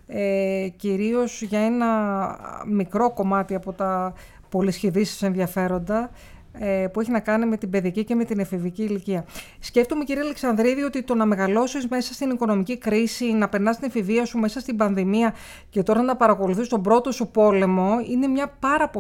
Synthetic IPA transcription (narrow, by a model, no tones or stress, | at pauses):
eciɾio̞sʝɐe̞nɐ | mikɾo̞ko̞mɐt̪iɐpo̞t̪ɐ | po̞lisçiðisi̥se̞nðiɐfe̞ɾo̞nd̪ɐ | epue̞çinɐkɐnime̞t̪ibe̞ðiɐcice̞me̞t̪inefiviciːliciɐsce̞ft̪omeciɾiɐleksɐnðɾiðio̞t̪it̪o̞nɐme̞ɣɐlo̞sizme̞sɐst̪iniko̞no̞micikɾisinɐpe̞ɾnɐst̪ine̞fiviɐsume̞sɐst̪ibɐnðimiɐ | ce̞t̪o̞ɾɐnɐpɐɾɐko̞luθist̪o̞bɾo̞t̪o̞supo̞le̞mo̞ine̞mɲɐpɐɾɐpo